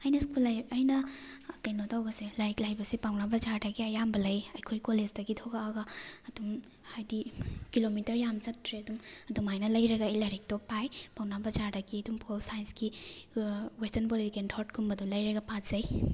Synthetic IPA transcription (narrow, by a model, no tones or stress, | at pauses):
ajnɐsk̚pɐlajɐjnɐːkɐjnotawbɐselɐɾik̚lajbɐsipawnabɐzaɾdaɡiɐjambɐlɐjɐjkʰojkolezdɐɡitʰoɡaːɡɐɐdum | hajdikilomitɐɾjamzɐtʰːɾeɐdumɐdumajnɐlɐjɾɐɡaːjlaɾik̚tɔpajpawnabɐzaɾdaɡiɐdumpʰolsajnski | westɐnpolipʰikentʰɔɾtkʰumbɐdulɐjɾɐɡɐpatz̥ɐj